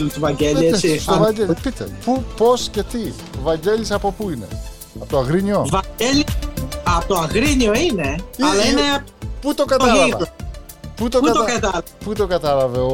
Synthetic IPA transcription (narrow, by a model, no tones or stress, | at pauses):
t̪ovɐɲɟeliesiovɐɟepit̪ḛpupo̞sce̞t̪i | vɐɲɟe̞lisɐpo̞puine̞̰ | ɐpt̪oɐɣɾiɲio̞vɐeliɐpt̪oɐɣɾiɲioineɐlɐineɐput̪okɐt̪ɐlɐɐ | put̪oɐt̪oɐkɐt̪ɐl | put̪o̞kɡɐt̪ɐlɐveo